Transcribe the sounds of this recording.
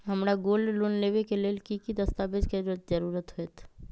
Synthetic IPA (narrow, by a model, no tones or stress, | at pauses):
ɦɐmɾaɡoːlloːnleːʋekelelkikid̪ɐst̪aːbed͡ʒkeɾəd͡ʒəɾuːɾət̪ɦoet̪ʰ